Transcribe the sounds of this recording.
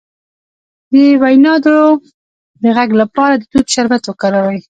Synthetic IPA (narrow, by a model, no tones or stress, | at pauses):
d̪əwajnɑd̪oo | d̪əɣaɡlapɑɾad̪ət̪ud̪ʃaɾbat̪wəkɑɾawaj